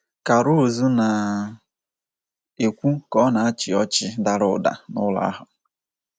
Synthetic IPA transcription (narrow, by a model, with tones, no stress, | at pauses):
ka˨ɾu˦˨zu˦na˨ | e˨kʷu˦kɔ˦na˨a˦t͡ʃɪ˨ɔ˦t͡ʃɪ˦da˦ɾʊ̰˨da̰˨nʊ̰˦la̰˦a̰˦ɦʊ˨